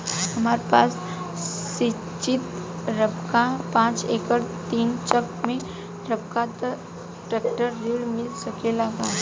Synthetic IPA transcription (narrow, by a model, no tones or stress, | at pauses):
ɦɐmaːɾepaːs | sɪ | t͡ʃɪt̪ɾɐbkapãːt͡ʃeːkəɾt̪iːnt͡ʃəkmẽ | ɾɐb̚kat̪ə | ʈɾɛːkʈəɾːiːɽmɪlsɐkelaɡaː